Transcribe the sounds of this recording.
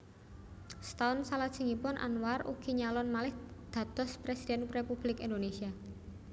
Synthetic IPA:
st̪aʊnsalad̥ʒ̥ə̤ŋipʊnʔa̰nwarṵɡ̥i̤ɲalɔnmalɪhd̪̥ä̤d̪̥ɔ̤spɾesidɛnrepub̥lɪkind̪onesia

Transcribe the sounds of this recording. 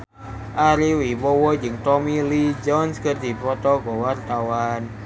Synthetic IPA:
ʔaɾiwiwɔwɔd͡ʒɨŋt̪ɔmilid͡ʒɔnskərd̪i̤pɾɔt̪ɔɡɔwart̪awan

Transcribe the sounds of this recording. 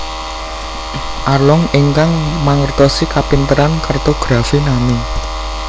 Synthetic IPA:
ʔarlɔŋɪŋkaŋmaŋərt̪ɔsikapint̪əɾankart̪oɡ̥ɾafinami

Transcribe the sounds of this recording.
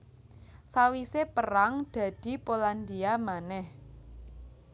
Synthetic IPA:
sawisepəɾaŋd̪̥ä̤d̪̥i̤poland̪iamanɛh

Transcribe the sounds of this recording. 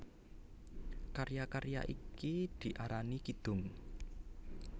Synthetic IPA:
kaɾjakaɾja̰ʔikid̪̥i̤ʔaɾanikid̪̥ʊ̤ŋ

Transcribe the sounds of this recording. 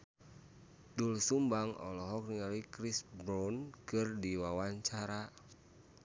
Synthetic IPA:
dulsumbaŋɔ̰lɔɦɔk̚niŋalikɾisbɾɔnkɨrdiwawaɲt͡ʃaɾa

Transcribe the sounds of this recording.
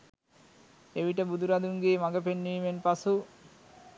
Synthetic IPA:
eʋiʈəbud̪uɾad̪uŋɡeːmaɡəpenːiːmenpasu

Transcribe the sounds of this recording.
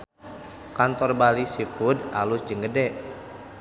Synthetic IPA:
kant̪ɔrbalisifudalʊsd͡ʒəŋɡədɛʔ

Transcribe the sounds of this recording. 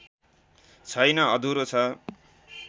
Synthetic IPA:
t͡sʰʌjnʌʌd̪ʱuɾot͡sʰʌ

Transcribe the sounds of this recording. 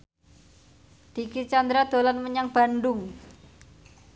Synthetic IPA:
d̪̥ikit͡ʃand̪ɾad̪̥o̤lanməɲaŋb̥a̤nɖʊŋ

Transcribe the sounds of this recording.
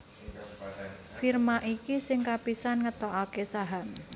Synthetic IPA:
firmaʔikisɪŋkapisanŋət̪ɔʔakesaɦam

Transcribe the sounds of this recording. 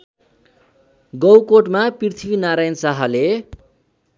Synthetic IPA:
ɡʌwkoʈmaprirt̪ʰibinaɾajʌnsaɦale

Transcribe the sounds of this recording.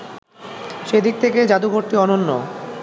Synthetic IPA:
ʃed̪ik̚t̪ʰeked͡ʑad̪uɡoɾʈiɔnonːo

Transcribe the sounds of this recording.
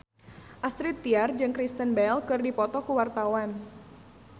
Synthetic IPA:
ʔast̪ɾit̪ːiard͡ʒɨŋkɾist̪ənbɛlkɨrdipɔt̪ɔkuwart̪awan

